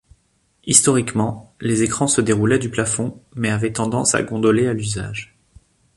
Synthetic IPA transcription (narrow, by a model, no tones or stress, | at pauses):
ist̪ɔʁikmɑ̃lezekχɑ̃səd̪eʁulɛd̪yplafɔ̃mɛavɛt̪ɑ̃d̪ɑ̃sa̰ɡɔ̃d̪ɔlealyza̰ʒ